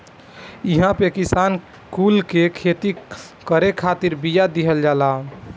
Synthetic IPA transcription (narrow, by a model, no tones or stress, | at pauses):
iɦãpekisan | kulkekʰet̪i | kəɾekʰat̪iɾbijad̪iɦəld͡ʒala